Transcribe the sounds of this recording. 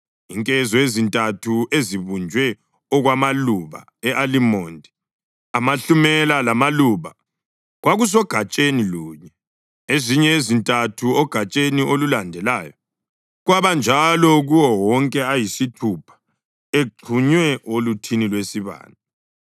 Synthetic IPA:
iŋkʼɛzɔezintʼatʰueziβund͡ʒʱwɛ | ɔɣwamaluβa̰ | ɛʔalimɔːndʱɛ | amaɬumɛlalamaluβa | ɣwaɣus̬ɔɡ̥ʱat͡ʃʼeniluːɲɛ | eziɲɛezintʼatʰuɔɡ̥ʱat͡ʃʼeniʔolulandʱɛlaːjɔ | ɣwaβand͡ʒʱalɔɣuwɔwɔŋkʼɛajisitʰupʰḁ | eǃʰuɲwɛʔolutʰinilwesiβa̰ːna

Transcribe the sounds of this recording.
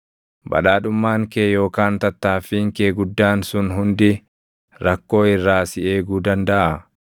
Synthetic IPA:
bɐ̰ᶑaːᶑʊmːaːŋkeːjo̞ːkaːnt̪ɐt̪ːaːfiːŋkeːɡʊd̪ːaːnsʊnɦʊnd̪ɪ | ɾɐkːo̞ːɪrːaːsɪe̞ːɡuːd̪ɐnd̪ɐʔɐ

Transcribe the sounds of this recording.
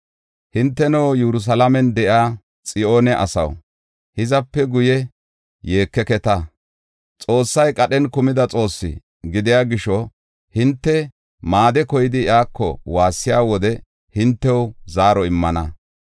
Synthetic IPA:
hɪnt̪ːɛnɐwjɛɾʊs̬ɐlamɛnd̪ɛʔaː | t͡sʼɪʔo̞ːnɛʔɐ̰sɐ̰w | hɪzɐpːɛɡʊjɛ | je̞ːkːɛkɛt̪ɐ | t͡sʼo̞ːsːɐjkʼɐɗɛnkʊmɪd̪ɐt͡sʼo̞ːsːɪ̰ | ɡɪd̪ɪjaːɡɪʃɔ | hɪnt̪ːɛ | maːd̪ɛkɔjɪd̪ɪjaːkːɔ̰waːsːɪjaːwɔd̪ɛ | hɪnt̪ːɛwzaːɾɔɪmːɐnɐ

